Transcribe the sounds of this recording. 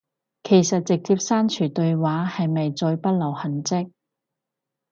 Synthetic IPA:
kʰe˨˩jsɐ˨t̚t͡sɪ˨k̚t͡siː˧p̚saː˥nt͡ʃʰyː˨˩t̪ɵ˧ɥwaː˨˥hɐ˨jmɐ˨jt͡sɔː˧jpɐ˥t̚lɐ˨˩whɐ˨˩nt͡sɪ˥k̚

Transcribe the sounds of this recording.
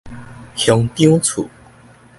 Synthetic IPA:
hʰjɔ˨˦ŋt̪i˥t͡sʰṵ˨˩˦

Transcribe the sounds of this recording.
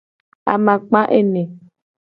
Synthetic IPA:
a̰˨mã˨k͡pã˦ʔe˦nẽ˨

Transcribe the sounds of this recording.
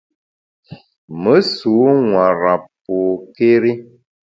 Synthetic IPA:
mə˨˦su˨˦ŋwa˨ɾa˨p̚o˨ke˦ɾi˦

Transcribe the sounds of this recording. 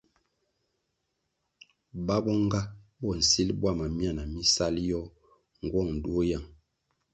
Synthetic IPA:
ba˦bɔ˦ŋ˦ɡa˦bɔ˨n̩˨si˦lbwa˦˨ma˨mja˦˨na˨mi˦sa˦ljɔ˦ | ŋ̩˨ɡwɔ˦˨ŋn̩˨du˦o˦ja˨ŋ

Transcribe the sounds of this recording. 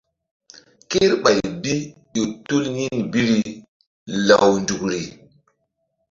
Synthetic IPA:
ki˦ɾɓa˨jbi˦ju˨tu˦lɲi˦nbi˦ɾi˨ | la˨wndu˨kɾi˨

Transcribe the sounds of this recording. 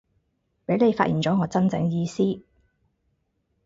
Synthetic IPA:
pe˨˥jne˨˧jfaː˧ʔiː˨˩nt͡sɔː˨˥ŋɔː˨˧t͡sɐ˥nt͡sɛ̰˨˥ŋjiː˧siː˥

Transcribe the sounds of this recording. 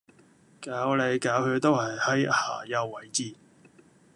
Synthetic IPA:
kaː˨˥wle˨˧jkaː˨˥whɵ˨˧t̪o˥whɐ˨˩jhɐ˨˥jha̰ː˨˩jɐ˧wːɐ˨˥jt͡siː˧˩

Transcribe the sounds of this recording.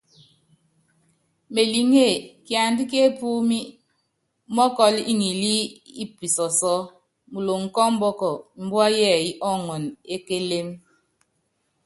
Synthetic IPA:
me˨li˨ŋe˦˨kja˨n˦di˦k̬e˦pu˦mi˦ | mɔ˦kɔ˦lḭ˦ŋi˨li˦i˦pi˨sɔ˨sɔ˦ | mu˨lo˨ŋ̩˨kɔ˦m̩˦bɔ˦kɔ˨m̩˨˦bwa˦jɛ˦˨i˦ʔɔ˦ŋɔ˨ne˦ke˦le˦m

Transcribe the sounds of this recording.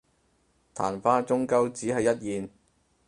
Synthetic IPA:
t̪ʰa̰ː˨˩nfaː˥t͡ʃʊ˥ŋkɐ˥wt͡siː˨˥hɐ˨jːɐ˥t̚jiː˨n

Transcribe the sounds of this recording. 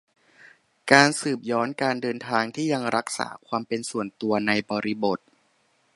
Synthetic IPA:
kaː˧nsɯː˨˩p̚jɔː˦˥nkaː˧ndɤː˧nt̪ʰaː˧ŋt̪ʰiː˥˩ja˧ŋɾa˦˥k̚sa̰ː˩˦kʰwaː˧mpe˧nsu˨˩ənt̪u˧ɐna˧jbɔː˧ɾi˦˥bo˨˩t̪̚

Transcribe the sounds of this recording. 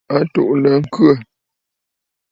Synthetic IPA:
a˦to̰˨ʔlə˨ŋ̩˦kɰə˦˨

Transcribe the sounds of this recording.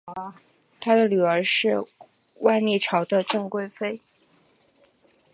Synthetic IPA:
t̪ʰa˥d̪ə˨ly˨˩ə˞˧˥ʂɻ̩˥˧ | wa˥˧ɪni˥˩ʈ͡ʂʰɑ˧˥ʊd̪ə˧ʈ͡ʂɤ˥˧ŋkwe˥˧ɪfe˥ɪ

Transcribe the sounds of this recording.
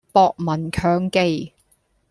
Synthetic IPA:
pɔː˨˧k̚mɐ˨˩nkʰœː˨˧ŋke˧j

